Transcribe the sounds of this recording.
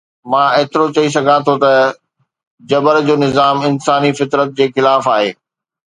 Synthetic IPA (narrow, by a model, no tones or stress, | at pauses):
mãːeːt̪ɪɾot͡ɕɐis̬ɐɡʱãt̪ʰot̪ɐ | d͡ʑɐbəɾd͡ʑoːnɪzaːmɪnsaːnifɪt̪ɾət̪̚d͡ʑeːxɪlaːfaːɦeː